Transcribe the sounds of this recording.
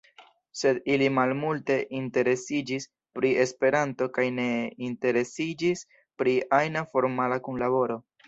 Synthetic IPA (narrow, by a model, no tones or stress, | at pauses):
se̞dilimalmulte̞ʔinte̞ɾe̞sid͡ʒis | pɾie̞spe̞ɾanto̞kajne̞inte̞ɾe̞sid͡ʒis | pɾiʔajnafo̞ɾmalakunlaβo̞ɾo̞